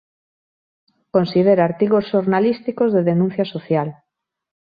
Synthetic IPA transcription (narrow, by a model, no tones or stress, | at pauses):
konsiðeɾaaɾt̪iɣosʃoɾnalist̪ikozðeðenũn̟θjɐsoθjal